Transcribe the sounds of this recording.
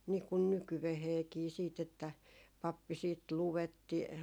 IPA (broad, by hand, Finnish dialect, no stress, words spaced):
niː kun nykyʋeheːkiː siːt etːæ pɑpːi siːt luwetːi